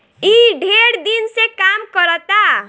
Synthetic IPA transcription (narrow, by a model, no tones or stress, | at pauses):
iɖʱeɾd̪insekamkəɾət̪a